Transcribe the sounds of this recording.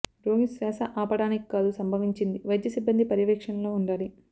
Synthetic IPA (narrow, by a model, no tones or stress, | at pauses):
ɾoːmisɾɛːsɐʔaːpɐɽaːniki̥kːaːd̪usɐmbʱɐʋiɲt͡ʃind̪iʋɐjd̪jɐsibːɐnd̪ʱipɐɾjɐʋɛːkʂɐnlo̞ːuɳɖaːli